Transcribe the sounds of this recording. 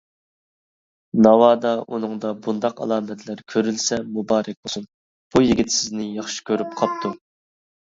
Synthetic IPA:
nɑwɑːd̪ɑʔunɨŋd̪ɑbund̪ɑqɑ̰lˠɑːmɛt̪ʰlæɾkʲʰøɾylsɛmubɑːɾɛk̚ʲbosun | b̥ujiɡʲit̪sɪznɪjɑχʃi̥kʲʰøɾypqʰɑp̚t̪ʰu

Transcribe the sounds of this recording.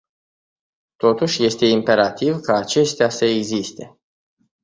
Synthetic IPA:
t̪o̞t̪uʃʲje̞st̪e̞impe̞ɾat̪ivkaːt͡ʃe̞st̪easəeɡzist̪e̞

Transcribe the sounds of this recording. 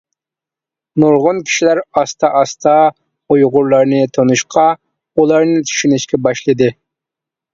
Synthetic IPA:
noɾʁʊnkʲʰi̥ʃilæɾɑst̪ʰɑʔɑst̪ʰɑ | ojʁʊɾlˠɑɾnɨt̪ʰonuʃqʰɑ | ulˠɑɾnɨt̪ʰy̥ʃynɪʃkʲɛbɑʃlˠɨd̪ɨ

